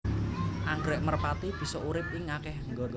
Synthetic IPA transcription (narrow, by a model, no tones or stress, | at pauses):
ʔaŋɡɾɛʔmərpat̪ib̥i̤sɔʔuɾɪp̚ɪŋakɛhŋɡo